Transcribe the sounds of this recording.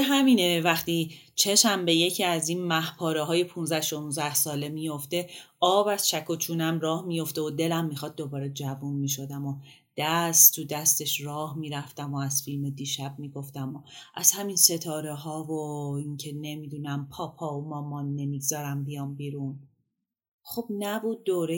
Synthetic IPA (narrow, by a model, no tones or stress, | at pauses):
eɦæminevæχt̪i | t͡ʃʰeʃæmbeje̞cʰiæziːnmæhpʰɒːɾeɦɒːje̞pʰunzæhʃo̞nunzæhsɒːle̞mijo̞ft̪e̞ɒːbæz̥ʃækʰo̞t͡ʃʰuːnæmrɒːhmijo̞ft̪e̞od̪e̞læmːixɒd̪̚ːo̞bɒːɾed͡ʒævunmiːʃ̬o̞d̪æmo̞ | d̪̥æst̪ʰud̪æst̪e̞ʃrɒːhmiːɾæft̪æmo̞æz̥filmed̪iːʃæb̥̚miːɡo̞ft̪æmo̞ʔæz̥hæminse̞t̪ʰɒːɾeɦɒːvoiŋcʰe̞ne̞miːd̪unæmpʰɒːpʰɒːumɒːmɒːnːe̞miɡzɒːɾæmbijɒːmbiːɾun | xo̞b̥næbuːd̪̚ːoːɾe